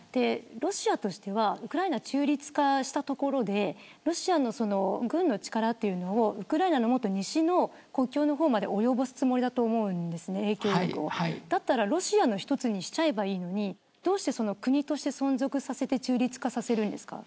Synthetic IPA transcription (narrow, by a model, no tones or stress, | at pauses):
d̪̥e̞ɾo̞ɕiat̪o̞ɕi̥t̪e̞β̞aɯ̟kɯ̟ɾaenat͡ɕɨːɾʲit͡sɨ̥kaɕi̥t̪at̪o̞ko̞ɾo̞d̪e̞ɾo̞ɕiano̞so̞no̞ɡɯ̟̃nːo̞t͡ɕi̥kaɾat̪ːe̞jɯ̟nooɯ̟kɯ̟ɾaenano̞mo̞t̪ːo̞ɲ̟iɕino̞ | ko̞kʲo̞ːno̞ɦo̞ːmad̪e̞o̞jo̞bo̞sɨ̥t͡sɨmo̞ɾid̪at̪o̞ːmo̞ɯ̟̃nd̪e̞sɨne̞eːkʲo̞ːkʲokɯ̟̰o̰aid̪̥at̪ːaɾaɾo̞ɕiano̞çi̥t̪o̞t͡sɨɲ̟iɕi̥t͡ɕae̞baiːno̞ɲ̟i | d̪̥o̞ːɕi̥t̪e̞so̞no̞kɯ̟ɲ̟it̪o̞ɕi̥t̪e̞sõ̞nzo̞kɯ̟sase̞t̪e̞t͡ɕɨːɾʲit͡sɨ̥kasase̞ɾɯ̟̃nd̪esɨ̥ka̰